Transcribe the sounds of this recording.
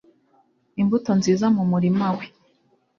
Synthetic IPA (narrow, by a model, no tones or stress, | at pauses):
imbuto̞nziːzamumuɾimawe